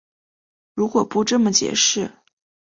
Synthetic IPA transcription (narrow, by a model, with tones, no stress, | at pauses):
ɻu˧˥kwɔ˨˩pu˥˧ʈ͡ʂɤ˥˩mə˩t͡ɕjɛ̰˧˥ʂɻ̩˥˩